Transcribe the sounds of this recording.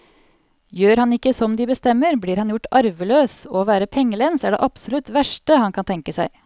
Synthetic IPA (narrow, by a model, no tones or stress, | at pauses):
jøːɾhɑnɪkːəsɔmd̪iːbəst̪ɛmːəɾbliːɾhɑnjʊʈːɑɾʋəløːsoʋæːɾəpʰɛŋːəlɛnsæːɖḛːʔɑpsʊlʉt̪ʋæʂʈəhɑnkʰɑnt̪ʰɛŋkəsæɪ